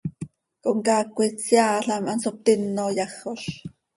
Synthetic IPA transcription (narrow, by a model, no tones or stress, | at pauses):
koʔŋkɑːkʷit͡sjɑːɬɑmʔɑnsop̚t̪ɪnːojɑχoɬ